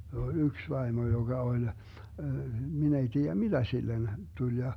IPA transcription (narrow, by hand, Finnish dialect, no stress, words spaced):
he o yks ʋɑimo joɡ̊ɑ olʲ min ei tiːæ mid̥æ silːen tulʲ jɑ